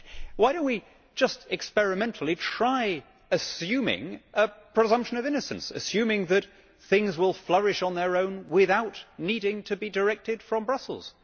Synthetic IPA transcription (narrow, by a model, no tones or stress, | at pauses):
waɪɾəwi̥ | d͡ʒʌstɨkspɛɹɨmɛ̃ntʰˡl̩ˠitʰɹ̥aɪ | ɨsjʉmɪ̰̃ŋəpʰɹ̥ɨzʌ̃mpʃɨ̃nʌvɪ̃nɨsɨ̰̃n̩sɨ̰sjʉ̃mɪ̃ŋðɨt̪̚ | θɪ̃ŋzwɪlˠflʌɹɨʃn̩ðə˞õʊ̃nwɪðaʊtⁿniɾɪ̃ŋtʰɨbidə˞ɛk̚tɨd̥fɹʌ̃mbɹʌsl̩ˠz̥